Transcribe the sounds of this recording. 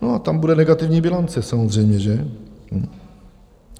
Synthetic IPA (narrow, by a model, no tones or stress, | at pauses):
nɔat̪ambudɛnɛɡat̪ɪvɲɛbʲjɛlɔnt̪sɛsamozʐɛjmɲɛʒɛm̩